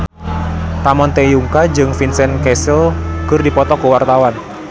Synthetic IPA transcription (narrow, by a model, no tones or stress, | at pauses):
t̪amɔnt̪ejuŋkad͡ʒɨŋfinsɛnkɛsəlkɨrdipɔt̪ɔkəwart̪awan